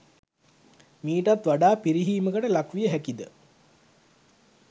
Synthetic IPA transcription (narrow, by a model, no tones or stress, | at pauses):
miːʈat̪ʋaɖaːpiɾiɦiːməkəʈəlakʋijəɦækid̪ə